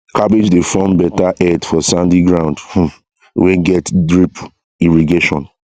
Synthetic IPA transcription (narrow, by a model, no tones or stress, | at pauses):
kʰabid͡ʒdefɔ̃mbɛtaʔɛdfɔsãndiɡɹãʊ̃ndh̩ | wɛɡɛtdɹip | iɹiɡeʃɔ̃n